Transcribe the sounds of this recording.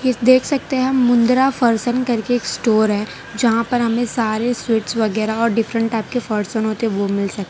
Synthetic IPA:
ɪsd̪eːkʰsɐk̚t̪eɦɛ̃mʊ̃nd̪ɾafəɾsənkɐɾkeːksʈoːɾɦɛː | d͡ʒɐɦãpɐɾɦɐmẽsaːɾeswɪʈsʋɐɡɛːɾaɔːɾɖɪfɾə̃ɳʈːaːɪp̚kefɐɾsənɦoːt̪eʋomɪlsɐk̚t̪e

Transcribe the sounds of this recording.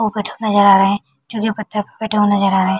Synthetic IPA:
obɛːʈʰenɐzəɾaːɾɐɦɛ̃ː | d͡ʒõːkipɐt̪ʰːəɾpɐbɛːʈʰeɦonɐzəɾaːɾɐɦɛ̃ː

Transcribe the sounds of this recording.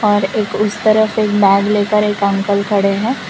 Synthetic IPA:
ɔːɾeːkʊst̪ɐɾəfeːk̚bɛːɡleːkəɾeːkɐ̃ŋkəlkʰɐɽeɦɛ̃ː

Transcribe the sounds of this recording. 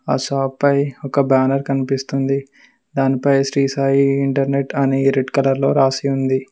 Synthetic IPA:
aːʃaːpːɐjɔkɐbaːnɐɾkɐnipist̪und̪i | d̪aːnipɐjsɾiːsaːjiːɳʈɐɾneʈɐneɾeɖkɐlɐɾlo̞ːɾaːsiund̪i

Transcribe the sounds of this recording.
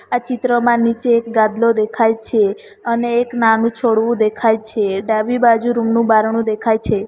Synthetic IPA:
at͡ʃit̪ɾəmãnit͡ʃeːkɡãd̪lod̪ekʰajt͡ʃʰe | əneːknanũt͡ʃʰoɽʋũd̪ekʰajt͡ʃʰeɖaʋibad͡ʒuɾumnũbaɾɳ̃ũd̪ekʰajt͡ʃʰe

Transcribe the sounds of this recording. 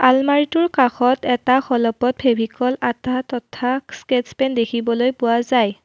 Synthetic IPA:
almaɹitʊɹkaxɔtɛtaxɔlɔpɔt̚pʰebʱikɔlatatɔtʰasketspɛndekʰibɔlojpʊwazaj

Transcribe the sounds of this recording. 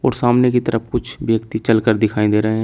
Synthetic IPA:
ɔ̰ːɾsaːmnekit̪əɾəpkʊt͡ʃʰʋjəkt̪it͡ʃəlkəɾd̪ɪkʰaːĩd̪eːɾəɦeɦɛ̃

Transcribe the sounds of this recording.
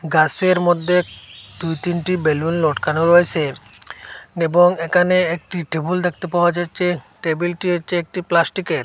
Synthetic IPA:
ɡaseɾmɔd̪ʱːe | d̪ujt̪inʈibelunlɔʈkanoɾojsʰe | ebɔŋekaneːk̚ʈiʈebuld̪ek̚ʰt̪epawad͡ʒajt͡ʃʰeʈebilʈiɔt͡ʃʰeːk̚ʈiplasʈikeɾ

